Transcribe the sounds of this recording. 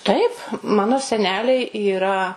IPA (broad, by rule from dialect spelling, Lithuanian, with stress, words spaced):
ˈtɐɪp ˈmɑːnoː sʲɛˈnʲæːlʲɛɪ iːˈrɐ